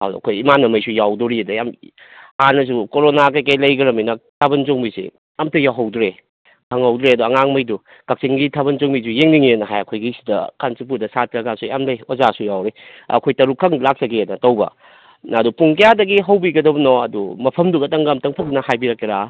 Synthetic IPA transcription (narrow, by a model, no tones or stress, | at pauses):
ha̰wɐ̰kʰojimanɐmɐjsujawduɾiɐdɐjam | anɐs̬ukoɾonak̬ajkajlɐjɡɐɾɐminɐtʰabɐnt͡ʃoŋbisḭ | amtʰɐjawɦɐwdɾe | kʰɐŋhɐwdɾeɐduɐŋaŋmɐjdu | kɐk̚siŋɡitʰabɐnt͡ʃoŋbis̬ujeŋniŋienɐɦajɐkʰojɡisi̥dɐkansip̬uɾdɐsatʰɾɐɡasuja̰mlɐjozasujawɾe | ɐ̰kʰojtɐɾukʰːɐŋlak̚sɐɡeenɐtɐwbɐ̰ | nadupuŋkɐjadɐɡiɦɐwbiɡɐdɐbɐnɔɐdumɐpʰɐmduɡɐtɐŋɡɐmtɐŋpʰɐnnɐhajbiɾɐk̚eɾa